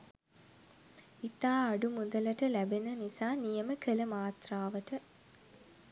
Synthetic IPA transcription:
it̪aːaɖumud̪ələʈəlæbenənisaːnijəməkələmaːt̪raːʋəʈə

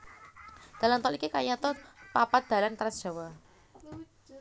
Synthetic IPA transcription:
d̪̥a̤lant̪ɔlikikajat̪ɔpapad̪̥a̤lant̪ɾad̥ʒ̥a̤wa

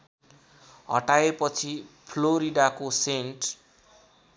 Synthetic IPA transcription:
ɦʌ̰ʈaepʌt͡sʰipʰloɾiɖakoseɳʈ

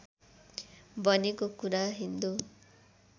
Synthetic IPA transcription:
bʌnekokuɾaɦind̪u

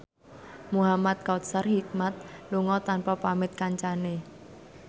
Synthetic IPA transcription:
muɦamat̪̚kat̪̚sərhik̚mat̪̚luŋɔt̪anpapamɪt̪̚kaɲt͡ʃane

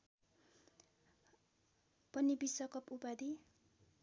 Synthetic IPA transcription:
pʌnibisʌkʌpupad̪i

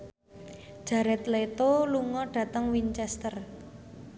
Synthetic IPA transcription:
ʒ̥a̤ɾɛt̪let̪oluŋɔɖ̥ä̤t̪əŋwint͡ʃɛst̪ər

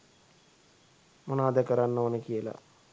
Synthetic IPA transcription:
monaːd̪əkəɾanːoʋənəkijəla̰

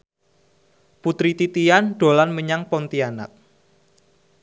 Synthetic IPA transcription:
put̪ɾit̪it̪ijanɖ̥o̤lanməɲaŋpɔnt̪iana̰t̪̚

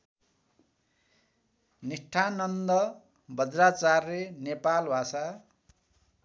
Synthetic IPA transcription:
niʈʰanʌnd̪ʌ | bʱʌd͡zrat͡sarːenepalbʱasa

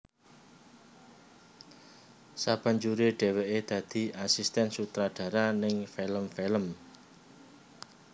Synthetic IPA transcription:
sab̥a̤ɲd͡ʒuɾeɖ̥e̤weʔed̪̥ä̤d̪̥i̤asist̪ɛnsut̪ɾaɖ̥ä̤ɾanɪŋfeləmfeləm

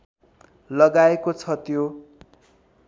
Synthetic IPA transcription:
lʌɡaekot͡sʰʌt̪jo

